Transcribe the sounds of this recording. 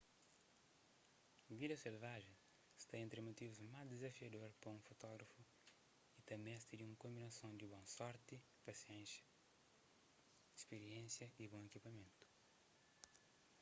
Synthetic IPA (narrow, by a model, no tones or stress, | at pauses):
vid̪ɐselvaʒẽj̃ | st̪aẽnt̪ɾɪmut̪ivuzmazd̪ezɐfiɐd̪oɾpɾɐũfut̪ɔɡɾɐfu | it̪ɐmɛ̃st̪id̪iũŋkõmbinɐsõnd̪ibõsɔɾt̪i | pɐsiɛ̃nsɐ̥ | ispeɾiẽnsjɐibõekipɐmẽnt̪u̥